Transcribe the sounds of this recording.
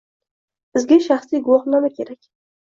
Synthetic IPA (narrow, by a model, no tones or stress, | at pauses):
bɪzɡʲaʃaχsijɡʊwɑχnamakʲʰe̞ɾakʲ